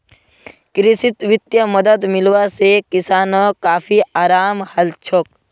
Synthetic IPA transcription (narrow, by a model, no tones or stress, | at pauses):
kɾɪsɪt̪wɪt̪jəməd̪əd̪mɪlwasekɪsaːnõkaːpʰiaːɾaːmhəlt͡ʃʰoːk̚